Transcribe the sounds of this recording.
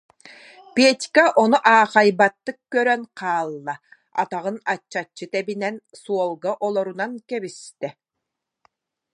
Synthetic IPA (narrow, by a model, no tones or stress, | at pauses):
peɛt̪ʲkɛʔɔnuʔaːχajbat̪ːɯkkːœɾœnqʰaːlˠːa | a̰t̪aʁɯnat͡ɕːat͡ɕːɯt̪ɛbinɛnsuɔlˠɡaʔɔlˠɔɾunaŋkɛbist̪ɛ